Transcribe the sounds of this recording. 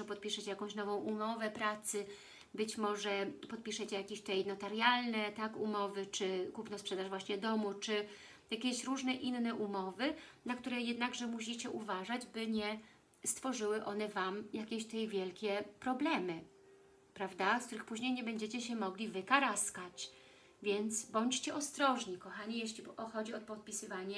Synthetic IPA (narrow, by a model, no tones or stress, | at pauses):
ɛpɔt̪̚pʲiʂɛt͡ɕɛjakɔ̃w̃ɕnɔvɔ̃w̃umɔvɛpɾat̪sɘ | bɘt͡ɕmɔʐɛpɔt̪̚pʲiʂɛt͡ɕɛjakʲeɕt̪ɛjnɔt̪aɾjalnɛt̪akumɔvɘt͡ʂɘkupnɔspʂɛd̪aʐvwaɕɲɛd̪ɔmut͡ʂɘ | jakʲɛɕɾuʐnɛʔinːɛʔumɔvɘnakt̪uɾɛjɛd̪naɡʐɛmuɕ̬it͡ɕɛʔuvaʐad͡ʑbɘɲɛ | st̪fɔʐɘwɘʔɔn̪ɛvamjakʲɛɕt̪ɛjvʲjɛlkʲɛpɾɔblɛmɘ | pɾavd̪askt̪uɾɘxpuʑɲejɲɛbɛɲd͡ʑet͡ɕɛɕɛmɔɡlʲivɘkaɾaskat͡ɕ | vʲjɛnt̪sbɔɲt͡ɕt͡ɕɛʔɔst̪ɾɔʐɲikɔxaɲijɛɕlʲiɔxɔd͡ʑiɔt̪̚pɔt̪̚pʲisɘvaɲɛ